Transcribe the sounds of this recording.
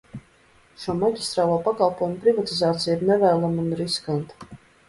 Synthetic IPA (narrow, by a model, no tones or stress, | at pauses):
ʃuɔmaɟʲist̪ɾaːlˠuːpakalˠpɔːjumpɾivat̪izaːt̪sijiɾnɛvæːlˠamunɾiskant̪